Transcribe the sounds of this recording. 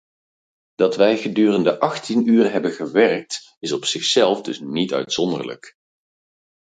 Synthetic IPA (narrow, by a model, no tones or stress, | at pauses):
d̥ɑtʋɛjχədyːrəndəʔɑχtʰinyːrɦɛbənχəʋɛrk̚t | ɪsɔpsɪχsɛlˠvdɵ̰snitœ̰ɥtsɔndə̰ɹlə̰k